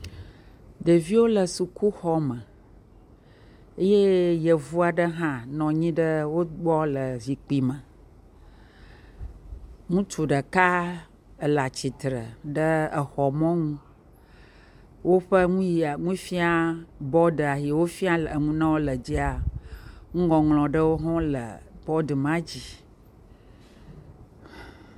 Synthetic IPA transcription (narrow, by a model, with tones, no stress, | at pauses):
ɖə˨vi˦wo˦lə˨su˨ku˦xɔ˦mə̃˨ | e˦je˦jə˨vu˦a˨ɖə˦ɦã˦nɔ̃˨ɲĩ˦ɖə˦wo˦ɡ͡bɔ˦lə˨vi˨k͡pi˨mə̃˨ | ŋũ˦t͡ʃu˨ɖə˨ka˦ | ə˨la˨t͡ɕi˨t̪ɾə̰˨ɖə˦ə˨xɔ˨mɔ̃˦ŋũ˦ | wo˦ɸə˦ŋũ˦ji˨a˨ŋũ˦fi˦a˦bɔ˦ɖə˨a˨ɦi˨wo˦fi˦a˦lə˨ŋũ˦nã˦wo˦lə˨d͡ʑi˦a˨ | ŋũ˦ɡɔ̃˨ŋlɔ̃˨ɖə˦wo˦ɦɔ̃˦lə̰˨b̥ɔ˦də˨mã˦d͡ʑi˨